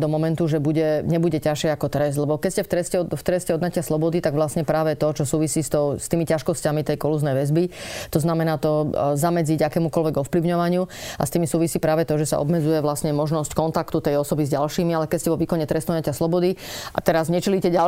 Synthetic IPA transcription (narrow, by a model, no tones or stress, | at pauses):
d̪ɔmɔmɛnt̪uʒɛbuɟɛɲɛbuɟɛcaʃɛakɔt̪ɾɛzd̪lɛbɔkɛscɛft̪ɾɛscɛɔft̪ɾɛscɛɔd̪nacɪaslɔbɔd̪it̪aɡʋlasɲɛpɾaːʋɛt̪ɔt͡ʃɔsuːʋisiːst̪ɔʊst̪iːmicaʃkɔscamit̪ɛjkɔluznɛjʋɛzbit̪ɔznamɛnaːt̪ɔzamɛd͡ziɟakɛːmukɔlʋɛɡɔfpliʊɲɔʋaɲɪua̰st̪iːmisuːʋisiːpɾaːʋɛt̪ɔʒɛsa̰ɔ̰bmɛd͡zujɛʋlasɲɛmɔʒnɔsckɔnt̪akt̪ut̪ɛjɔsɔbizɟalʃiːmialɛkɛscɛʋɔʋiːkɔɲɛt̪ɾɛst̪ɔnacaslɔbɔd̪iʔa̰t̪ɛɾazɲɛt͡ʃilicɛɟa